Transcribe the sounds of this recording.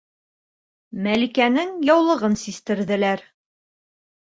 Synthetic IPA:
mælikænɘŋjɒwlˠɤ̆ʁɤnsist̪ɘ̆ɾðɘ̆læɾ

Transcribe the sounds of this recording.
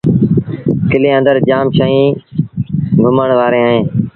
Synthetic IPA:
kɪlẽːə̃nd̪əɾd͡ʒaːmʃaːĩː | ɡʱʊməɳʋaːɾeːaːɦẽː

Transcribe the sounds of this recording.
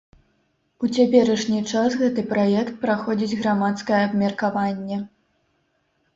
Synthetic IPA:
ut͡sʲapʲɛɾɐʂnʲit͡ʂasɣɛt̪ɨpɾajɛkt̪̚pɾaxɔd͡zʲid͡zʲɣɾamat̪skɐjɐɐbmʲɛrkavanʲːɛ

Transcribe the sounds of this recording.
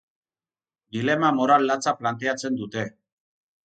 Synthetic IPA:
d̪ilemamoɾalːat͡sʰaplant̪̬eat͡sʰend̪ut̪e

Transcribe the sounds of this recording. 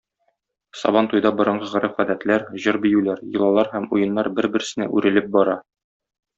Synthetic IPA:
sɒ̰bɑnt̪ujd̪ɑbŏɾɤ̆ɴɢɤʁɘ̆ɾɘqæd̪æt̪læɾʑɤɾbĭjʉlæɾjɤ̆lˠɑlˠɑɾhæmujɤ̆nːɑɾbɘɾbɘ̆ɾ̆sɘ̆næ̰ʔʉɾɘ̆lɘp̚bɒɾɑ

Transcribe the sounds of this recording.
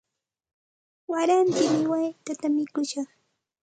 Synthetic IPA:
waɾant͡ʃɪmɪwajt̪at̪amɪkʊʃɑχ

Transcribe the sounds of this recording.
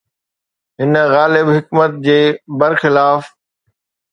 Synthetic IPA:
ɦɪnɣaːlɪbɦɪkmət̪̚d͡ʑeːbɐɾxɪlaːf

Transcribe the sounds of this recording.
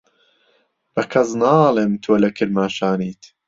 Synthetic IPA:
b̥ɐkʰɐznaːlˠeːmt̪ʰoːlɐkʰɨɾmaːʃaːniːt̪

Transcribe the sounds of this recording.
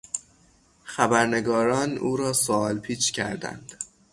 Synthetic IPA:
xæbæɾne̞ɡɒːɾɒːnuːɾɒːsoɒːlpʰiːt͡ʃʰcʰæ̰ɾd̪æ̰nd̪̥

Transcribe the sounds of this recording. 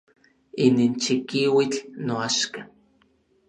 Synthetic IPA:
inint͡ʃikiwit͡ɬnoaʃka

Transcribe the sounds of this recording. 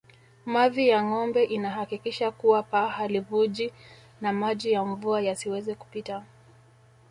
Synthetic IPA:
maðijaŋɔmbɛʔinaɦakikiʃakuwapahalivuʄi | namaʄijaɱvuajasiwɛzɛku̥pita

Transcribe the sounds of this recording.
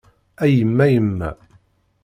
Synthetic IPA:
æjəmːæjəmːæ̰

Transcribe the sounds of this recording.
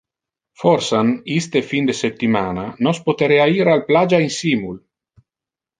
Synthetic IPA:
fɔrsanist̪efind̪esept̪ːimaːnanospot̪eɾeaiɾalplad͡ʒainsimul

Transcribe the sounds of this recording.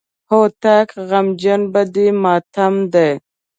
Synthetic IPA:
hot̪akɣɐmd͡ʒɐnbɐd̪imɑːt̪ʰɐmd̪aj

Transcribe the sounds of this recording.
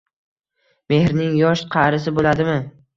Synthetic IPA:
me̞hɾnɪŋjɒʃqʰɑɾɪs̬ɪbolad̪ɪmɪ

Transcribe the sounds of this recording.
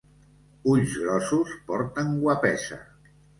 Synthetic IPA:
uʎzɣɾɔsuspɔɾt̪əŋɡwapɛsə̰

